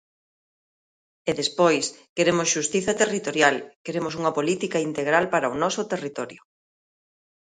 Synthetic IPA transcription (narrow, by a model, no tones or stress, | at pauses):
eðespojskeɾemʊsʃust̪iθɐt̪erit̪oɾjalkeɾemʊs̬uŋɐpolit̪ikaint̪eɣ̞ɾalpaɾɐonɔsʊt̪erit̪ɔɾjʊ